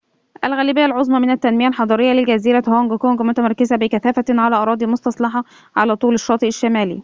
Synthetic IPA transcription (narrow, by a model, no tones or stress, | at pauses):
ʔælɣæːlibɪjːælʕozˤmɑmɪnæt̪ːænmɪjælħɑd̪ˤɑːɾejːælɪlɡæziːɾæhoŋɡkoŋɡmʊt̪æmɑɾˤkɪzæbɪkæθæːfæʕalæːʔɑɾˤɑːd̪ˤimost̪ɑsˤlɑħɑ | ʕalæːt̪ˤuːlɪʃːɑːt̪ˤɨʔɪʃːæmæːlḭ